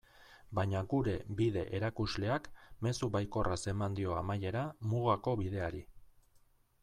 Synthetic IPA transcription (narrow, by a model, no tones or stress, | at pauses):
bajɲaɡuɾe̞biðe̞ʔeɾakuzle̞akme̞suβajko̞rase̞mand̪io̞amaje̞ɾamuɣako̞βiðe̞aɾi